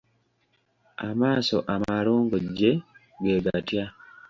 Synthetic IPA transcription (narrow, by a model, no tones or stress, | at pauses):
amasɔʔamaɾuŋɡod͡ʒe | ɡeɡatja